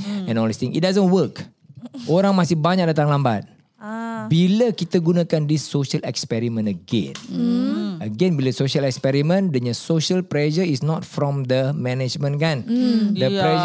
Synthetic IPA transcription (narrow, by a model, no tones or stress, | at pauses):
ɛ̃nɔldist̪ĩŋʔḭt̚dazə̃nwək | ʔoɾãŋmasɪhbaɲak̚dat̪aŋlambat̪̚ | biləkit̪əɡunãkandisːoʃəlɛ̰kspɛɾimə̃nəɡɛ̰̃n | ʔəɡɛ̃nbiləsoʃəlɛkspɛɾimə̃ndəɲəsoʃəlpɾɛʃəisnɔtfɾɔ̃md̪əmɛ̃nɛd͡ʒmə̃nkandəɾɛ